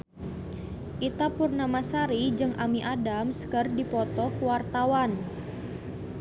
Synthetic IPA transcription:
ʔit̪apurnamasaɾid͡ʒɨŋʔamiʔadamskərdipɔt̪ɔkwart̪awan

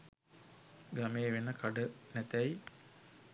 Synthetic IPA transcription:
ɡameːʋenəkaɖənɛt̪æj

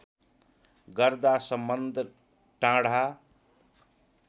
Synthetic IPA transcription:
ɡʌɾd̪asʌmbʌnd̪ʱ | ʈãɽ̤a

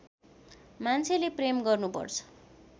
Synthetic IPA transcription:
mant͡sʰelepremɡʌrnupʌ̰rt͡sʰʌ̥

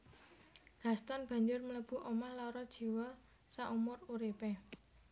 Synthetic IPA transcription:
ɡ̥a̤st̪ɔnb̥ä̤ɲd͡ʒʊrmələb̥ṳʔomahlɔɾɔd̥ʒ̥i̤wɔ | saʔumʊruɾipɛ

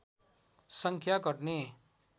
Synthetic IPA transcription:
sʌŋkʰjakʌɾne

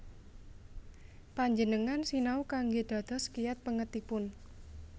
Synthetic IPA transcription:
paɲd͡ʒənəŋansinaukaŋɡed̪̥ä̤d̪̥ɔ̤skijat̪̚pəŋət̪ipʊn

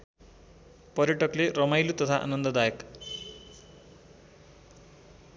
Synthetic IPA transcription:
pʌɾjʌʈʌklerʌmajlut̪ʌt̪ʰaʔa̰nʌnd̪ʌd̪ajʌk

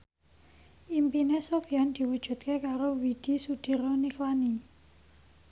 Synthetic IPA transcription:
ʔimpinesofijand̪̥i̤wud̥ʒ̥ṳt̪̚kekaɾowid̪̥i̤sud̪̥i̤ɾoniklani

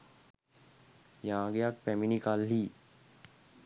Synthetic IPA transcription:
jãːɡejak̚pɛminikalɦiː

